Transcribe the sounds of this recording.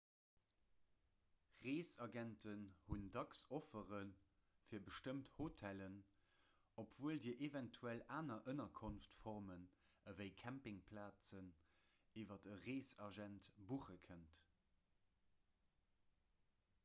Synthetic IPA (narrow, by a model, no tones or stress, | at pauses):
ʁeːsɑɡɛntʰənhundɑksofəʁən | fiːɐbəʃtəmthotʰælən | opv̥uəldiːɐʔevæntʰuælaːnɐʔənɐkʰonftfɔʁmənəvəɪkʰæmpɪŋpʰlaːt͡sən | iːvɐdəʁeːsɑʒæntb̥uχəkʰənt